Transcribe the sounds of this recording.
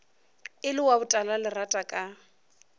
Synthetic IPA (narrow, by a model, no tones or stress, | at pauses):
ɪlɪwabʊtʼalalɪratʼakʼa